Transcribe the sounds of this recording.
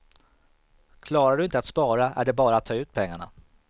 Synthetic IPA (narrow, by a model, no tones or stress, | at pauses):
kʰlɑːɾaɖɵɪnt̪əat̪spɑːɾaʔæ̰ɖɛbɑːɾaːt̪ʰːɑːʉ̟ːt̪̚pʰɛŋːaɳa̰